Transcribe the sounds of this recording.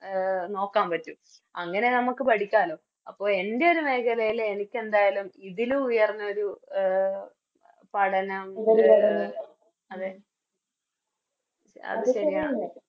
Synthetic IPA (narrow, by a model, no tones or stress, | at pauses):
no̞ːkːaːmpɐtːu | ɐŋːɐne̞nɐmukːɨpɐʈʰikʲːaːloː | ɐpːo̞ːe̞nde̞o̞ɾume̞ːkʰɐlɐjile̞nikʲːe̞nd̪aːjalumiðiluujɐrnːɐo̞ɾu | pɐɽɐnɐmoɾ | ɐðe | ɐ̰ðɨɕɐɾijaː